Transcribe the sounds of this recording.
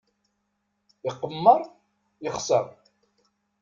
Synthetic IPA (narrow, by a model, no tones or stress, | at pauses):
iqːəmːəɾˤ | jəχsə̰ɾˤ